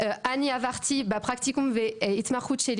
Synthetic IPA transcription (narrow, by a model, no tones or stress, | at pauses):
øaniavaʁt̪ʰibapχak̚t̪ikũmveɛit̪maχut̪ʃel